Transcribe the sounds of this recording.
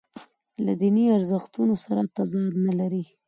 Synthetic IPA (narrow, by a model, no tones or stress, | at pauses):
la̰d̪iniaɾzəxt̪unosaɾat̪azɑd̪nalaɾi